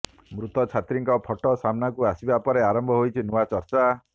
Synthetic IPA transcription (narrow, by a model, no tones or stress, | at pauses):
mɾut̪ɔt͡ʃʰat̪ɾiŋkɔpʰɔʈɔsamnakuasibapɔɾeaɾɔmbʱɔɦojt͡ʃʰinuat͡ʃɔɾt͡ʃa